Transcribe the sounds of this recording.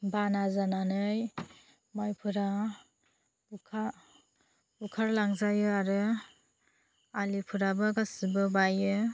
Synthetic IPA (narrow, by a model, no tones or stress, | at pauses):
banazananɯj | majpʰɯɾa | ukʰa | ukʰaɾlaŋzajɯaɾɯ | alipʰɯɾabɯɡasɯbɯbajɯ